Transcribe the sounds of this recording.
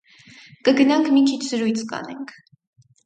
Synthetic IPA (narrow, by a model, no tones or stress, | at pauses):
kəɡənɑŋkʰmikʰit͡ʃʰz̥əɾujt͡sʰkɑ̰nɛŋkʰ